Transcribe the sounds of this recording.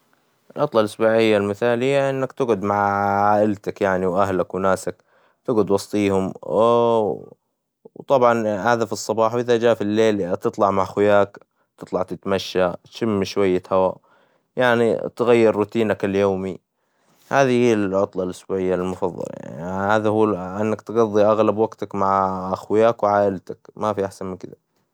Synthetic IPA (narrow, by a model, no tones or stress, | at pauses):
ʔʔɪlʕʊt̪ˤlɑlʔasbuːʕɪjːalmɪθaːlhɪjːaʔɪnːakt̪ɪɡʊd̪maʕʕaːʔɪlt̪akjaʕniwʔaɦlakwnaːsak | t̪ɪɡʊd̪wɑsˤt̪ˤiːhʊm | wt̪ˤɑbʕɑnhaːðafisˤːɑbɑːħwʔɪðad͡ʒaːfilːeːlt̪ɨt̪ˤlɑʕmaʕxʊjaːk | t̪ɨt̪ˤlɑʕt̪ɪt̪maʃːat̪ʃɪmːʃwajːat̪hawa | jaʕnḭt̪ɣajːɪɾːʊt̪iːnakɪljoːmi | haːðihiːlʕʊt̪ˤlɑlʔɪʃbuwaʕɪjːalmʊfɑðˤːɑ̰l̰haːðahuːʔɪnːakt̪ɡɑðˤːiʔaɣlabwaɡt̪akmaʕʔaxwjaːkwʕaːʔɪlt̪akmafiʔaħsanmɪkɪða